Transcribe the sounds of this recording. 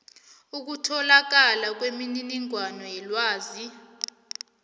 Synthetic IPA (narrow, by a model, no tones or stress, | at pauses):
uk̬utʰɔlak̬alak̬wemininiŋwanɔjɛlwaːzi